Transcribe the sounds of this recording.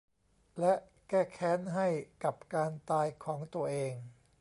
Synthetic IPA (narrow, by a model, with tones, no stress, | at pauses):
lɛ˦˥ʔ | kɛː˥˩kʰɛː˦˥nɦa˥˩jka˨˩p̚kaː˧nt̪aː˧jkʰɔː˩˦ŋt̪u˧ɐʔeː˧ŋ